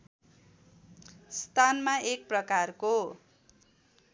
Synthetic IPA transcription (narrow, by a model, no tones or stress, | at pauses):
st̪anmaek̚prʌkarko